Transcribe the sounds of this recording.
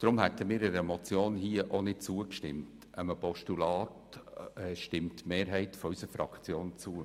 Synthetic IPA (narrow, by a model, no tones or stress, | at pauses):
d̥ɾʊmhɛtəmiːɾɛɾɛmɔt͡sjoːnhiəʔonɪt̚t͡suːəkʃtɪmt | əməpɔʃtulɑːtɛʃtɪmtmeːɾɦɛɪtfɔysəɾfɾɑ̰kt͡sjoːnt͡suːə